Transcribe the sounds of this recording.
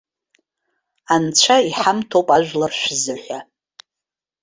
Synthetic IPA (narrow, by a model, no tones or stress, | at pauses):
ant͡ʃʷʰaiħamtʰowpʼaʒʷᶣlarʃʷzɨħʷᶣa